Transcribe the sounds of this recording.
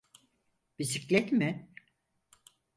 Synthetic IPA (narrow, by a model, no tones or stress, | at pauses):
b̥isiclʲɛt̪mɪ